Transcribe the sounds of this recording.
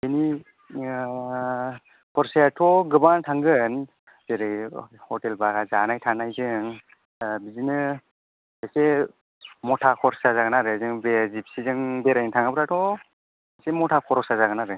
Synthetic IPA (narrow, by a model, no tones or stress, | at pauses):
eni | kʰɔɾsajatʰɔɡɯbantʰaŋɡɯn | zeɾɯjhɔtelbaɡazanajtʰanajzɯŋ | bizinɯ | ase | mɔtʰakʰɔɾsazaɡɯnaɾɯzɯŋbezip̚sizɯŋbeɾajŋtʰaŋabɯɾatʰɔ | asemɔtʰakʰɔɾɔsazaɡɯnaɾɯ